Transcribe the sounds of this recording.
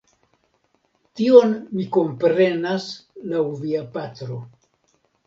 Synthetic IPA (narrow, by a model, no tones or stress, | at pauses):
tio̞nmiko̞mpɾe̞naslawviapatɾo̞